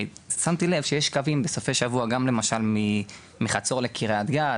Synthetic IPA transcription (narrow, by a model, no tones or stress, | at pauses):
samt̪ile̞v̥ʃejeʃkavimbesofeʃavuaɡamle̞maʃalmi | miχat͡so̞ʁlekʰiʁeat̪ɡa